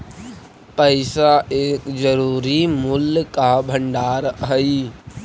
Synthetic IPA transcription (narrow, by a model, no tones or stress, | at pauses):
pəɪsaeːkd͡ʒəɾuːɾimʊlkabʱəɳɖaːɾɦəi